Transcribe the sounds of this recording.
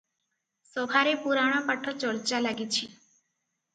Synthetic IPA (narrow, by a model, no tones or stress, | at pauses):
sɔbʱaɾepuɾaɽ̃ɔpaʈʰɔt͡ʃɔɾt͡ʃalaɡit͡ʃʰi